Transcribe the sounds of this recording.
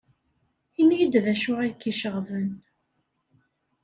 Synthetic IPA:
inijd̪ðæʃʊʁæjkːiʃəʁvən

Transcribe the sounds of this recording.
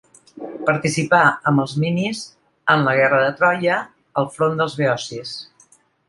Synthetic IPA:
pəɾt̪isipaəmbəlˠzminiz | ənləɣ̞ɛrəðət̪ɾɔjəː | lˠfɾond̪əlˠzβeɔsis

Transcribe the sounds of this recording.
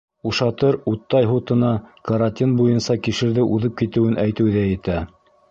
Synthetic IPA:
uʃɑt̪ɤɾut̪ːɑjɦut̪ɤ̆nɑkɐɾanʲt̪ʲinbujɤnsɑkiʃɘ̆ɾðɘʔuðɤp̚kit̪ɘ̆wɘnʔæjt̪ɘ̆wðæjɘ̆t̪æ

